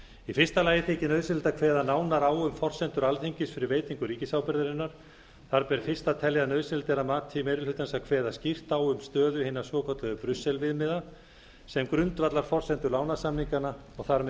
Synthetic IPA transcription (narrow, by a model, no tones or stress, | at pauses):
ifɪr̥st̪alaːjɪθʰeːcɪnœːðsɪlt̪akʰvɛːðanaːwnaɾaːwʏmfɔr̥sɛnt̪ʏɾalθiɲcɪsfɪɾɪveːjt̪iŋkʏɾiːcɪsawpɛɾðɪɾɪnːaɾ̥ | θaɾpɛɾfɪr̥st̪at̪ʰɛlːjanœːðsɪlt̪ɛɾamaːt̪ʰimejɾɪlhʏt̪ansakʰvɛːðascir̥t̪aːwʏmst̪œːðʏhenasɔːkʰɔt̪laðʏpɾʏsːɛlvɪðmɪða | sɛmkɾʏnt̪vat̪laɾ̥fɔr̥sɛnt̪ʏɾlaːwnasamniŋkanaɔɣθaɾmɛ